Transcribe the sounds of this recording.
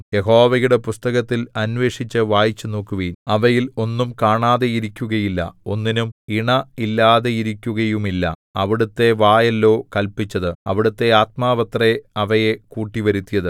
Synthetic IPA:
je̞ɦo̞ːʋɐjuɽe̞pust̪ɐɣɐt̪ːilɐnʋe̞ːʂit͡ɕːɨʋaːjit͡ɕːɨno̞ːkːuʋɐjnɐʋɐjilo̞nːumkaːɳaːðe̞iɾikʲːuɣɐjilːɐ̰o̞̰nːinumiɳɐilːaːðe̞jiɾikʲːuɣɐjumilːɐ̰ | ɐ̰ʋiɽut̪ːe̞ʋaːjɐlːo̞ːkɐlpit͡ɕːɐðɨɐʋiɽut̪ːe̞aːt̪̚maːʋɐt̪reɐʋɐje̞kuːʈːiʋɐɾut̪ːijɐðɨ

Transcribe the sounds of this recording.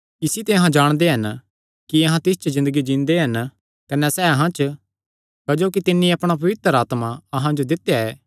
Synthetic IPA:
ɪsit̪eɐɦãd͡ʒaːɽ̃d̪eɦɐn | kiɐɦãt̪ɪst͡ʃəzɪ̃nd̪əɡid͡ʒĩnd̪eɦɐn | kɐnɛsɛɐɦãt͡ʃə | kɐd͡ʒoːkit̪ɪnːĩɐpɽ̃apɐʋɪt̪əɾaːt̪maɐɦãd͡ʒod̪ɪt̪ːejaɛː

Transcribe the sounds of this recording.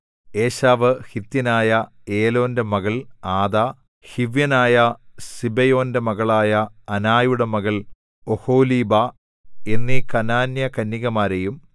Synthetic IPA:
eːɕaːʋɨhit̪jɐnaːjɐ | eːlo̞ːnde̞mɐɣɐɭaːd̪aː | hiʋjɐnaːjɐsibɐjo̞ːnde̞mɐɣɐɭaːjɐːnaːjuɽemɐɣɐɭ | oho̞ːliːba | e̞nːikɐnaːnjɐkɐnːiɣɐmaːɾejum

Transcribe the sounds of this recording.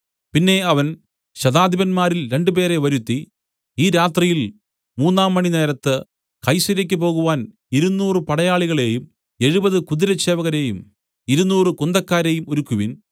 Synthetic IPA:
pinːe̞ɐʋɐn | ɕɐðaːd̪ʱibɐnmaːɾilɾe̞ɳɖɨpe̞ːɾe̞ʋɐɾut̪ːi | iːɾaːt̪rijil | muːnːaːmːɐɳine̞ːɾɐt̪ːɨ | kɐjsuɾɐk̬ʲːɨp̬o̞ːɣuʋaːn | iɾunːuːrɨpɐɽɐjaːɭiɣɐɭe̞ːjum | e̞ɻubɐðɨkuðiɾɐt͡ɕe̞ːʋɐɣɐɾe̞ːjum | iɾunːuːrɨkund̪ɐkːaːɾe̞ːjumoɾukːuʋin

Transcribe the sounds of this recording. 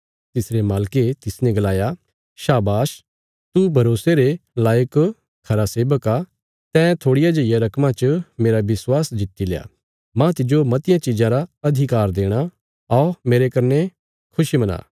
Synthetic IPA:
t̪ɪsɾemaːlket̪ɪsnɛ̃ɡɐlaːja | ʃaːbaːʃ | t̪ubʱɐɾoːseɾelaːjək | kʰɐɾaseːbəka | t̪ɛ̃ːt̪ʰoːɽɪjad͡ʒɐɪjaɾɐkʰmãt͡ʃəmeːɾaʋɪswaːsd͡ʒɪt̪ːileːa̰ː | mãt̪ɪd͡ʒomɐt̪ɪjãt͡ʃɪd͡ʒãɾaɐd̪ʱɪkaːɾd̪eːɽ̃a | ɔːmeːɾekɐɾne | kʰʊʃimɐna̰ː

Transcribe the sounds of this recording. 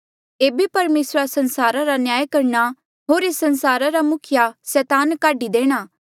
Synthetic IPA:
eːbipɐɾmeːsɾasɐ̃nsaːɾaɾanjaːjkɐɾɳa | ɦoːɾesɐnsaːɾaɾamʊkʰɪjasɛːt̪aːnkaːɖid̪eːɽ̃aː

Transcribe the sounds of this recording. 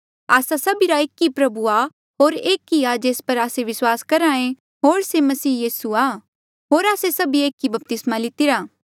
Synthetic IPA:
aːsasɐbiɾaeːkːipɾɐbua | ɦoːɾeːkːiad͡ʒeːspɐɾaːseʋɪswaːskɐɾaːẽ | ɦoːɾsemɐsiːjiːsua | ɦoːɾaːsesɐbieːkːibɐp̚t̪ɪsmalɪt̪ɪɾaː

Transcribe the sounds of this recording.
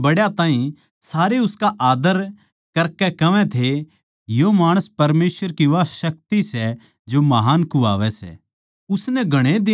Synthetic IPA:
bɐɽjat̪aːĩ | saːɾeʊskaʔaːd̪əɾ | kɐɾkɛkɐʋɛ̃t̪ʰe | jomaːɽ̃əspɐɾmeːsʋəɾkiʋaʃɐk̚t̪isɛ | d͡ʒomɐɦaːnkua̰ːʋɛsɛ̰ | ʊsnɛɡʱɐɽ̃ed̪ɪ

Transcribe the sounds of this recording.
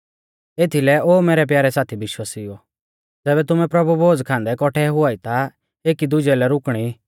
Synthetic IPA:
eːt̪ʰilɛoːmeːɾɛp̬jaːɾɛsaːt̪ʰibɪʃwaːsiɔ | d͡zɛːbɛt̪ʊmɛ̃pɾɐbuboːd͡zkʰãːnd̪ɛkɔʈʰɛɦʊaːit̪a | eːkid̪ʊd͡ʒɛlɛɾʊkɽ̃i

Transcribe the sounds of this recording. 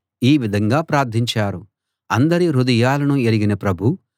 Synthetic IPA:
iːʋid̪ʱɐŋɡaːpɾaːɾd̪ʱiɲt͡ʃaːɾu | ɐnd̪ɐɾiɾud̪ɐjaːlɐnueliɡinɐpɾɐbʱu

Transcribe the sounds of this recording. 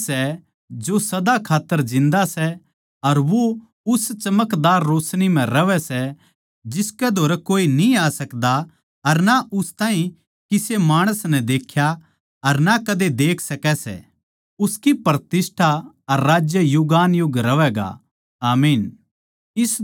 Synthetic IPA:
sɛ | d͡ʒosɐd̪akʰaːt̪ːəɾd͡ʒɪ̃nd̪asɛ | ɐɾʋo | ʊst͡ʃɐməkd̪aːɾːoːsñim̤ɛ̃ɾɐʋɛsɛ | d͡ʒɪskɛd̪ʱoːɾɛkoːinĩaːsɐkd̪a | ɐɾnaʔʊst̪aːĩ | kisemaːɽ̃əsnɛd̪eːkʰja | ɐɾnakɐd̪ed̪eːkʰsɐkɛsɛ̰ | ʊskipɾət̪ɪsʈʰa | ɐɾːaːd͡ʒjəjʊɡaːnjʊɡɾɐʋɛɡa̰ | aːmiːn | ɪs

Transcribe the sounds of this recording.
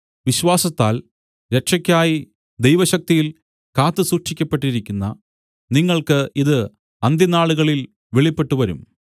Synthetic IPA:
ʋiɕʋaːsɐt̪ːaːl | ɾe̞kʂɐkʲːaːji | d̪ejʋɐɕɐk̚t̪ijil | kaːt̪ːɨsuʂʂikʲːɐpːe̞ʈːiɾikʲːunːɐ | niŋːɐɭkɨiðɨ | ɐnd̪jɐnaːɭuɣɐɭil | ʋeɭipːe̞ʈːuʋɐɾṵm

